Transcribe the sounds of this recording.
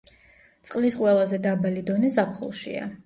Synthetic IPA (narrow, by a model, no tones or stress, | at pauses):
t̪sʼqʼlisqʼwɛlˠazɛd̪abalid̪ɔnɛzapʰχṵlˠʃḭa̰